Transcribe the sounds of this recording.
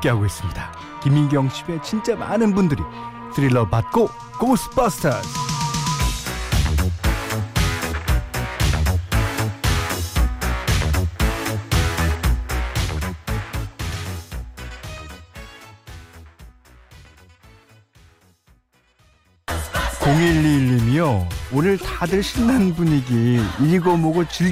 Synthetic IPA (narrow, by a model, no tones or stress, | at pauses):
k͈eɦaɡois͈ɯmɲid̥a | kiminɡjʌŋɕʰibe̞t͡ɕʰint͡ɕ͈ema̰nɯnbundɯɾḭ | sʰɯɾilːʌpat̚k͈o | kosʰɯ̥pʌstʰʌs | koŋiʎːiɭːimjʌonɯɭtadɯɭɕʰinːanbuɲiɡiːɾiɡomoɡot͡ɕi